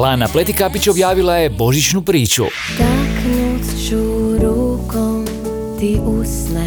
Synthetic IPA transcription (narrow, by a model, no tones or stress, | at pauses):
laːnaplet̪ikapit͡ʃobjaːʋilˠaje̞bo̞ʒit͡ʃnupɾiːt͡ʃṵ | t̪aknut̪t͡ʃuɾukɔm | t̪iʔusnɛ